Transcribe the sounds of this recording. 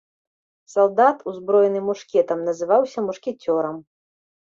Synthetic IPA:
salˠd̪at̪uzbɾɔjɛnɨmuʂkʲɛt̪ɐmnɐzɨvawsʲɐmuʂkʲɛt͡sʲɔɾɐm

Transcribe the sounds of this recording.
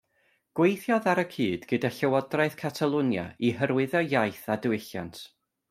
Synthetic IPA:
ɡ̥wejθjɔðaɾəkʰiːdɡ̥ədaɬɛwɔdraɨθkʰatʰalˠʊnja̰iɦəɾwɪðɔjajθadəwɪɬja̰ntʰ

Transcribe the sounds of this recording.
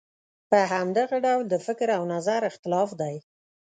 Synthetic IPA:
pəɦamd̪aɣaɖawld̪əfɪkɾawnazaɾɪxt̪ɪlɑfd̪aj

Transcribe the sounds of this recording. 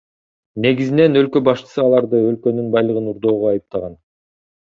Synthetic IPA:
ne̞ɡizine̞nø̞lkø̞bɑʃt͡ʃɯ̥sɯɑlˠɑɾd̪ɯø̞lkø̞nynbɑjlˠɯʁɯnuɾd̪o̞ːʁoɑjɯp̚t̪ɑʁɑn

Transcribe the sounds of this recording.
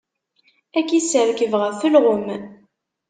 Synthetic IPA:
ækisəɾkəvʁəθəlʁʊm

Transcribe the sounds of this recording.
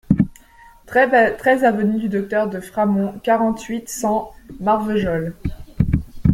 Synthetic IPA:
t̪χɛzavənyd̪yd̪ɔk̚t̪œʁd̪əfχamɔ̃kaʁɑ̃t̪ɥit̪sɑ̃maʁvəʒɔl

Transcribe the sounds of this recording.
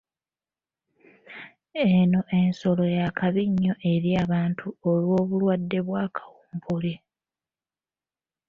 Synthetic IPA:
eno̞ʔe̞nso̞lo̞jakʰaβiɲːo̞ʔe̞ɾiaːβaːntʰuolwo̞ːβulwadːe̞βwaːkʰḁwuːmbuli

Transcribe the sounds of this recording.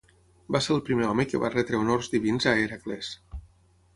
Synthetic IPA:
baseɾəlˠpɾimeɔməkəβa̰rɛt̪ɾeonorzðiβinzaeɾakles

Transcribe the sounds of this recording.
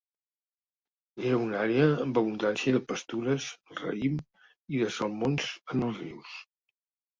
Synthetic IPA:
eɾəunaɾeəːmbəβund̪ansiəðəpəst̪uɾəzˠrə̰im | iðəsəlˠmonzənəlˠzrḭws

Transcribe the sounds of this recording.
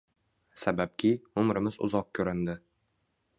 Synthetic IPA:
sabap̚kʲʰɪʊmɾɪmɪzʊ̰zɒq̚kʲʰɵɾɪnd̪ɪ

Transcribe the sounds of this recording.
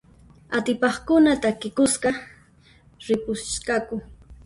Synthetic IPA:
at̪ɪpɑχkʊnat̪akɪkʊsɢɑ | ɾɪpʊkakʊ

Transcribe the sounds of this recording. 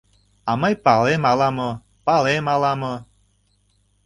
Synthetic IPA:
ɑməjpɑlemɑlɑmɤ | pɑlemɑlɑmɤ

